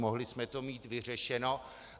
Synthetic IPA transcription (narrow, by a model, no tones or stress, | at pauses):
moɦlɪsmɛt̪o̞miːt̪vɪr̝ɛʃɛno̞